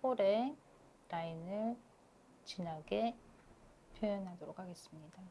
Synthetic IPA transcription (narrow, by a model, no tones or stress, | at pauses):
poɾe̞ | ɾainɯɭ | t͡ɕinɦaɡe̞ | pʰjojʌnɦadoɾokʰhaɡe̞s͈ɯmɲida